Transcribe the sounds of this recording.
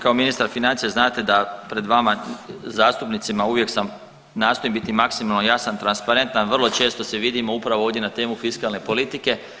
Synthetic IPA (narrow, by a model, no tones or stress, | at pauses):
kaominist̪aɾfinant̪sijeznaːt̪e̞d̪apɾe̞d̪ʋamazaːst̪upnit̪simauʋje̞ksam | naːso̞jembit̪imaksimalˠnojasant̪ɾanspaɾe̞nt̪nanʋrlˠo̞t͡ʃe̞ːst̪o̞se̞ʋid̪imo̞upɾaʋooːdje̞nat̪e̞ːmufiskalˠne̞po̞lit̪ike̞